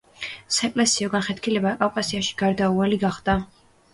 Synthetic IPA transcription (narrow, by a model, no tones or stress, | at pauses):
saɛkʼlɛsiɔɡanχɛt̪̚kʰilɛbakʼavkʼasiaʃi̥ɡ̥aɾd̪aualiɡaχd̪̥a